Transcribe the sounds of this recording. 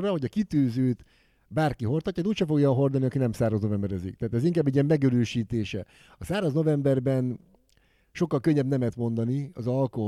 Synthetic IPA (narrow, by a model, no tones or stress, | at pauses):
rːɒho̞ɟɒkit̪øːzøːt̪ | baːrkiɦo̞rt̪ɒcːɑd̪ɛuːcʃɛfo̞ɡjɒɦo̞rd̪ɑlniɒkinɛmsaːrɒzno̞vɛmbɛɾɛzḭk̚t̪ɛːt̪ɛziŋkaːbɛɟiɛmːɛɡøɾøːʃiːt̪eːʃɛ̰ | ɒsaːrɒzno̞vɛmbɛrbɛn | ʃo̞kːɒlkøɲːɛbnɛmɛt̪mo̞nd̪ɒniɒzɒlkoɦ